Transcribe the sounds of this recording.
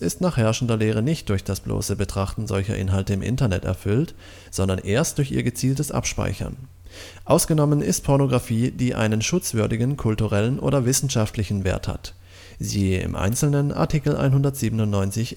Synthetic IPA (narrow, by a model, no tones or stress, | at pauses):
ɪstnaːχhɛɐʃn̩dɐleːʁ̞ənɪçt̚d̥ʊɐçd̥asb̥lo̰ːsəbətʁ̥aχtn̩zɔ̰lçɐ̰ʔɪ̰nɦaltəɪmʔɪ̰ntɐnɛtɛ̰ɐfʏlt | z̥ɔndɐnʔeːɐst̚d̥ʊɐçḭːɐɡət͡siːltəsʔa̰pʃpa̰ɪçɐ̰n | ʔaʊsɡ̥ənɔmənɪ̰stpʰɔɐnoɡʁafiːdiːʔa̰ɪnənʃʊt͡sv̥ʏɐdɪɡn̩kʰʊltuʁɛlənʔo̰ːdɐvɪsn̩ʃaftlɪçn̩vḛːɐtha̰t | ziːɪ̰mʔa̰ɪnt͡sl̩nənʔa̰ɐtʰikl̩ʔa̰ɪnhʊndɐtz̥iːbənʊntnɔʏnt͡sɪç